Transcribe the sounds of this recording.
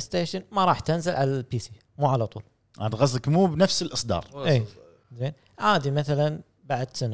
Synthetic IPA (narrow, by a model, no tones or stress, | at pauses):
st̪eːʃɪnmaɾˤɑːħt̪ɪnzɪlʕalalpiːsi | muːʕalat̪ˤṵːl | ʔa̰d̪ɣazˤːɪkmuːbnafsɪlʔɨsˤd̪ɑ̰ːɾˤʔiː | zeːn | ʕaːd̪imaθalan | baʕd̪sana